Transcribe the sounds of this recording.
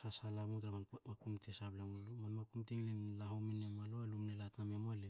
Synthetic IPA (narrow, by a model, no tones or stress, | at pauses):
sasalamutɾamamakumtesaplaŋlmanmakumtiŋlenlaɦawminemaloalumnelatnamemoale